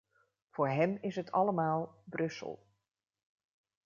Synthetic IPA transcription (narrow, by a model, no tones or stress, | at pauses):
fʊːɹɦɛmɪsɦətʰɑ̰ləmaːlˠbrɵsə̰lˠ